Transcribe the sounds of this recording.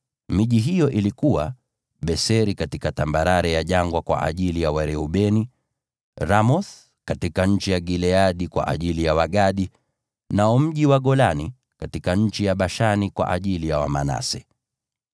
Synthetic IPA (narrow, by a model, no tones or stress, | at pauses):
miʄiɦijɔʔilikuwa | ɓɛsɛɾikatikatambaɾaɾɛjaʄaŋɡwakwa̰ʔa̰ʄilijawaɾɛuɓɛni | ɾamɔθ | katikaɲ̩t͡ʃijaɡilɛaɗikwa̰ʔa̰ʄilijawaɠaɗi | naɔm̩ʄiwaɠɔlani | katikaɲ̩t͡ʃijaɓaʃanikwa̰ʔaʄilijawa̰ma̰na̰sɛ